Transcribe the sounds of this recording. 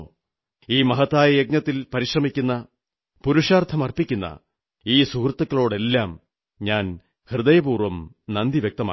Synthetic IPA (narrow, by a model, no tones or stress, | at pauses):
iːmɐɦɐt̪ːaːjɐek̚nɐt̪ːilpɐɾiɕrɐmikʲːunːɐ | puɾuʂaːrt̪ʰɐmɐrpikʲːunːɐ̰ | iːsukrt̪ːɐkːɐɭo̞ːɽe̞lːaːm | ɲaːn | hrɨd̪ɐjɐbuːrʋɐm | nɐnd̪iʋjek̚t̪ɐma̰ː